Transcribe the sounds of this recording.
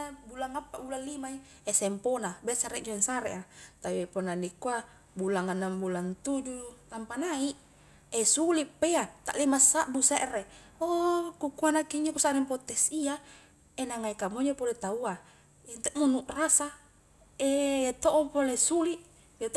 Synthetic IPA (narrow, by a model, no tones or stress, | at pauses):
abulaŋapːabulallimai | esɛmponabeasaɾɛʔd͡ʒuɛŋsaɾeʔat̪aiponanikua | bulaŋanːambulant̪ud͡ʒut̪ampanaiʔ | esulipːeat̪a̰ʔlimasaʔbuseʔre | okukuanakiɲd͡ʒokusaɾimpot̪esia | enaŋaikamoɲopolet̪aua | ent̪eʔmunuʔrasa | eet̪oʔopolesuliʔ | et̪